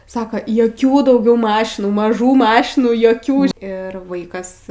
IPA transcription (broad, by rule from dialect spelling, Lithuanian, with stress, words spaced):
ˈsɑːkɐ joːˈkʲuː dɐʊˈɡʲɛʊ ˈmɑːʃʲɪnuː mɐˈʒuː ˈmɑːʃʲɪnuːˈjoːkʲuː ˈɪr ˈʋɐɪkɐs